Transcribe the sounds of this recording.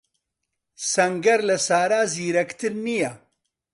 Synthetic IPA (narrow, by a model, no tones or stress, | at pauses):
sɐŋɡɐɾlɐsaːɾaːziːɾɐkt̪ʰɨɾnijɐ